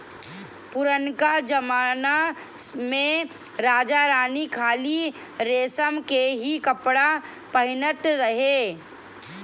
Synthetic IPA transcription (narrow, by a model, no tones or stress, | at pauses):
pʊɾənkad͡ʒɐmaːna | mẽ | ɾaːd͡ʒaɾaːnikʰaːli | ɾeːsəmkeɦikɐpɽa | pɐɦɪnət̪ɾɐɦeː